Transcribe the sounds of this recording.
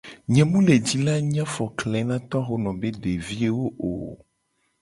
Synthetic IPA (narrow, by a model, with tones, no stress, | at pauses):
ɲɛ̃˨mũ˦le˨d͡ʑi˦la˦ɲ˦ã˦fɔ˨klɛ˨˦nã˦t̪ɔ˦xo˦nɔ̃˨be˦ɖe˨vi˦e˦wo˦ʔo̰˨